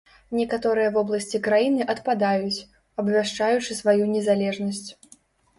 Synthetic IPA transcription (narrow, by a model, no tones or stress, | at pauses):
nʲɛkat̪ɔɾɨjɐvɔblˠɐsʲt͡sʲikɾajinɨʔɐt̪pad̪ajut͡sʲ | ɐbvʲaʂt͡ʂajut͡ʂɨsvajunʲɛzalʲɛʐnɐsʲt͡sʲ